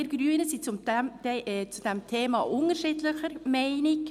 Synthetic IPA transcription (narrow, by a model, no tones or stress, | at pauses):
ɾɡ̥ɾyːənəsit͡sʊ̥ | t͡sud̥ɛmt̪ʰeːmɑ̰ːʔʊŋəɾʃɪːdləxəɾmɛɪnɪk